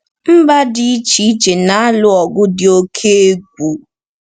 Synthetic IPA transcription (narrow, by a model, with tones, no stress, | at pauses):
m̩˦ba˦dɪ˨˦i˦t͡ʃi˦t͡ʃe˨na˨˦a˦lʊ˦ɔ˨ɡʊ˦dɪ˨o˦kʰe˦e˦ɡʷu˨